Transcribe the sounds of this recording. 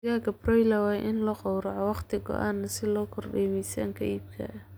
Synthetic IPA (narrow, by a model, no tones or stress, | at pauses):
ɣaːɡɐbrɔjlɐwɑːjʔɪnlɔːqɔwɾɑʕɔwɑχt̪ʰɪɡɔ̰ʔaːnːɐsɪlɔːkʰɔrɖɛːmɛjsaːŋkʰɐiːb̚kʰɐ̰ʔ